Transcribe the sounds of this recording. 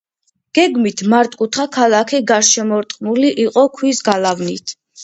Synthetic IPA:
ɡ̥ɛɡmit̪ʰmaɾt̪ʼkʼut̪ʰχakʰalˠakʰiɡaɾʃɛmɔɾt̪ʼqʼnuliʔiqʼɔkʰwisɡalavnḭt̪ʰ

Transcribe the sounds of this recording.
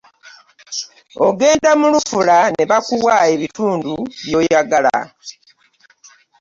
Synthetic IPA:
oɡe̞ːndamulufulane̞βakuwaeβituːnduβjo̞ːjaɡala̰

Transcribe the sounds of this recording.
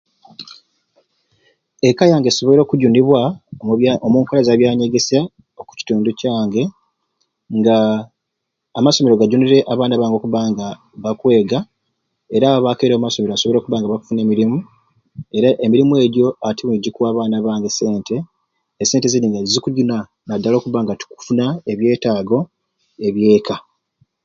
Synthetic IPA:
e̞kajaːŋɡeso̞βoeɾo̞ːkuɟuniβwa | omuːŋkolazaβjaːɲe̞ɡe̞sa | oku̥ci̥tuːnducaːŋɡe̞ | ŋɡa | maso̞meɾo̞ɡaɟuniɾe̞ʔaβaːnaβaːŋɡo̞kuβaːŋɡa | βakwe̞ːɡa | e̞ɾaːβake̞ɾoːmaso̞me̞ɾoaso̞βeɾo̞ːkuβaːŋɡaβaku̥fune̞ːmiɾimu | e̞ɾaʔe̞miɾimue̞ɟjo̞atiβuniɟikuaːβaːnaβaːŋɡe̞se̞ːnte̞ː | sːe̞ːnteziniŋɡazikuɟuna | nadːalo̞ːkuβaːŋɡatu̥ku̥funaeβje̞ːtaːɡo̞ | e̞βje̞ːkʰa

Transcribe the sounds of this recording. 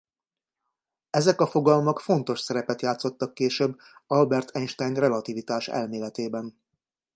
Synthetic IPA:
ɛzɛkɒfo̞ɡɒlmɒkfo̞nt̪o̞ʃsɛɾɛpɛt̪jaːt̪so̞t̪ːɒkːeːʃøbː | ɒlbɛrt̪ʰɛnʃt̪ɛjnrɛlɒt̪ivit̪aːʃɛ̰lmeːlɛt̪eːbɛn

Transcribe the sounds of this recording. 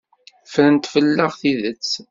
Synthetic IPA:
fɾənt̪fəlːəʁθiðət͡sː

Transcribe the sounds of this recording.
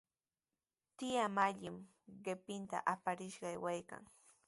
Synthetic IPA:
t̪ɪjamaʎɪm | ɢɪpɪnt̪a̰ʔapaɾɪʃɢɑjwajka̰ŋ

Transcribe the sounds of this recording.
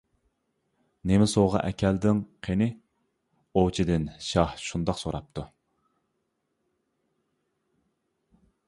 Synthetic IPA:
nemɪsoʁɑ̰ʔɛkʲʰɛld̪ɪŋqʰenɪ | owt͡ʃʰid̪ɪnʃɑhʃund̪ɑqsoɾɑp̚t̪ʰu

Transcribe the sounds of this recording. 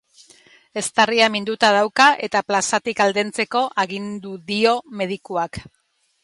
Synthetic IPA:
e̞st̪ariamind̪ut̪að̞awkaʔe̞t̪aplasat̪ikald̪e̞nt͡se̞ko̞ʔaɣind̪uðio̞me̞ð̞ikuak

